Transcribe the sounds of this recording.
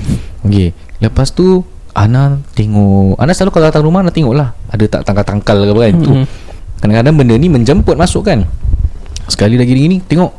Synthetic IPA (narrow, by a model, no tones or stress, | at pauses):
oke | ləpast̪u | anaʔt̪eŋɔʔa̰naʔsəlalukalodat̪aŋɾumahanaʔt̪eŋɔʔlahadət̪a̰ʔt̪aŋkalt̪aŋkalːakəbaɡajnt̪u | kadaŋkadaŋbəndəniməɲd͡ʒəmpʊt̪̚mãsʊʔkan | sə̥kalilaɡidəŋinit̪eŋɔʔ